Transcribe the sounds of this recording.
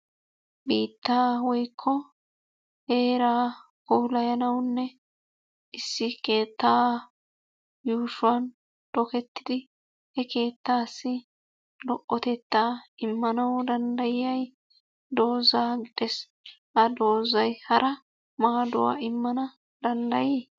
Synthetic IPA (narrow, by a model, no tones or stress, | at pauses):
biːt̪ːaːwɔjkʰːɔ | heːɾaː | kɔwlɐjɐnɐwnːɛ | ʔɪsːɪke̞ːt̪ːaː | juːʃʊwɐn | d̪̥ɔkɛt̪ːɪd̪ɪ | hɛke̞ːt̪ːaːsːɪ | lɔʔːɔt̪ɛt̪ːaːɪmːɐnɐwd̪ɐnd̪ɐjɪjɐj | d̪o̞ːzaːɡɪd̪ɛs | hɐd̪o̞ːzɐjhɐɾʔɐ | maːd̪ʊ̰wa̰ːɪmːɐnɐ | d̪ɐnd̪ɐjeː